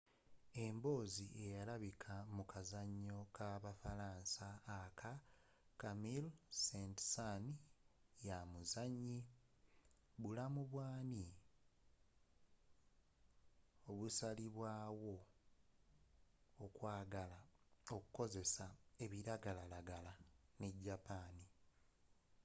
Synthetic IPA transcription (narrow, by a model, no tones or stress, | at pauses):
e̞mbo̞ːziʔe̞jalaβikʰamukazaɲːo̞kaβafaɾaːnsaːkʰa | kamilsentsan | jamuzaɲːi | βulamuβwaːni | oβusaliβwaːwo̞ | kwaːɡalaoku̥ko̞ze̞sae̞βiɾaɡalalaɡalane̞ɟːapaːni